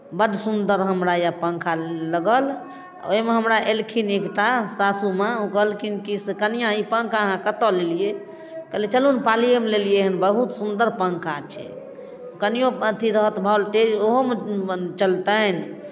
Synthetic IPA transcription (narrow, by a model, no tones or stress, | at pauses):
bəɖʱsund̪əɾɦəmɾajapəŋkʰaləɡəl̰ | oɦimeɦəmɾaʔelkʰinekʈasasumaukəlkinkiskənijãipəŋkaəɦãkət̪ɔlelije | kəlet͡ʃəlunpalijemelelijeɦənbəɦut̪sund̪əɾpəŋkʰat͡ʃʰɛ̰ | kənijõət̪ʰiɾəɦət̪bʱaolʈed͡ʒoɦomet͡ʃəlt̪ən